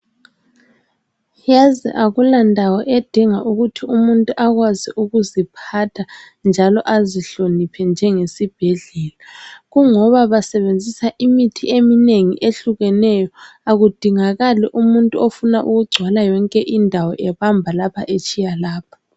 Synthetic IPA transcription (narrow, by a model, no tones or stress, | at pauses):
jazɛ̰ʔaɣulandʱawɔʔed̥ʱiŋaʔuɣutʰiumuntʼuʔaɣwaziʔuɣuzipʰatʰa | nd͡ʒʱalɔʔaziɬonipʰɛnd͡ʒʱɛŋesib̥ʱɛɮɛlaɣuŋɔβaβasɛβend͡zʱisaʔimitʰiʔemineŋḭʔeɬuɣɛnɛjɔ | aɣud̥ʱiŋaɣaliʔumuntʼuofunaʔuɣuɡ͡ǀʱwalajɔŋkʼɛʔindʱawɔʔɛβambʱalapʰa̰ʔet͡ʃʼijalaːpʰɔ̥